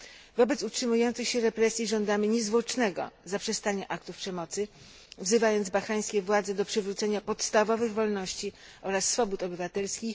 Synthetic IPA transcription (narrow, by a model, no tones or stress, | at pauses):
vɔbɛt̪sutʂɘmujɔnt̪sɘxɕɛɾɛpɾɛsʲjiʐɔnd̪amɘɲɛzvwɔt͡ʂnɛɡɔ̰zapʂɛst̪aɲaʔak̚t̪ufpʂɛmɔt̪sɘ | vzɘvajɔnd̪zbaxɾaj̃skʲɛvwad̪zɛd̪ɔpʂɘvɾut̪sɛɲapɔt̪st̪avɔvɘɣvɔlnɔɕt͡ɕi | ʔɔɾasːfɔbut̪ɔbɘvat̪ɛlskʲix